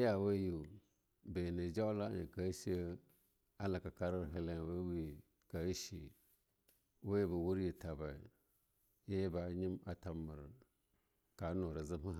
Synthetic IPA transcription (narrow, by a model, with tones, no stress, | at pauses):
ja˨we˦ju˨ | be˨nə˨d͡ʒa˦wla˦ə̰˨ka˨˦ʃi˦ə˦ | a˦la˨ka˨ka˦ɾə˦ɾɦə˦le˦˨we˦wi˦˨ | ka˨i˦ʃḭ˨ | we˦je˦bə˨wu˦ɾje˨ta˨ba˨ | je˦jba˨ɲi˦ma˨ta˨˦mə˨ɾə˨ | ka˨˦no˨ɾə˨zɨ˦mə˦